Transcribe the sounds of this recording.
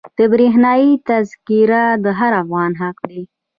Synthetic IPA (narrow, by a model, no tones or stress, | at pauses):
d̪̥əbɾeɦnɑjit̪azkiɾad̪əɦaɾafɣɑnɦaqd̪i